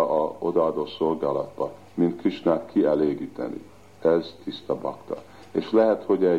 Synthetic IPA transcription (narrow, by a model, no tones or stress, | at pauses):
ʔɒo̞d̪ɒːd̪oːso̞lɡaːlɒd̪̚bɒ | mint̪kiʃnakkːiɛleːɡiːt̪ɛ̰nḭ | ɛzt̪ist̪ɒbɒkt̪ɒ̰ | eːʃlɛɦɛt̪ho̞ɟɛ